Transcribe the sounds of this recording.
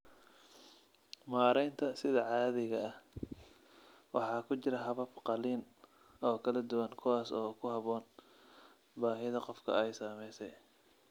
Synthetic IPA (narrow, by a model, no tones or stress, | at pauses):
maːɾɛjnt̪ʰɐsɪðɐʕɑːðɪɣɐːh | wɑ̰ħɑːkʰʊt͡ʃɪɾɐɦɐβɐbqɑliːn | ɔːkʰɐlɐd̪ʊwɐŋkʰʊwaːsɔːkʰʊɦɑβɔːn | baːɦɪðɐqɔfkʰɐ̰ɛjsaːmɛjsɛj